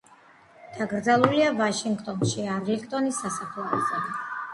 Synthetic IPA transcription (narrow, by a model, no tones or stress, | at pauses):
d̪̥aɡɾd̪zalˠuliavaʃiŋɡt̪ʼɔnʃiaɾlikt̪ʼɔnisːasapʰlɔzɛ